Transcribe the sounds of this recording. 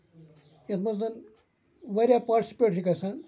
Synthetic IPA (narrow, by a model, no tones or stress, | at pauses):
jet̪ʰmɐd̪ɐn | ʋɐɾʲjapaʈisi̥peːʈʰikɐsan